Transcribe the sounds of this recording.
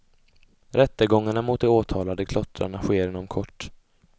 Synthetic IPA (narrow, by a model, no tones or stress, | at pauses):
ɾɛt̪ːəɡɔŋːaɳamʊt̪̚d̪ɛoːt̪ʰɑːlad̪əkʰlɔt̪ɾa̰ɳaɧeːɾenɔmkʰɔʈː